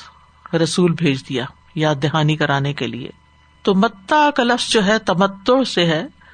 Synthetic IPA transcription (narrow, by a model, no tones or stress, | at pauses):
ɾɐsuːlbʱeːd͡ʒd̪ijaː | jad̪ɪɦaːnikɐɾaːnekelḭḛː | t̪omɐt̪ːakalɐfz̥d͡ʒoːɦɛt̪ɐmət̪ːoseɦɛː